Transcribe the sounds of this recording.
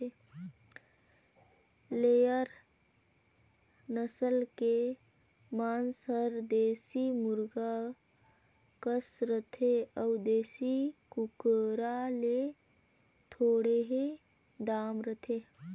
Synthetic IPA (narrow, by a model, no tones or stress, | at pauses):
e | leːjəɾ | nəsəlke | maːnsəɾd̪eːsimʊɾɡa | kəsɾət̪ʰeəwd̪eːsikukəɾale | t̪ʰoːɽeɦe | d̪aːmɾət̪ʰe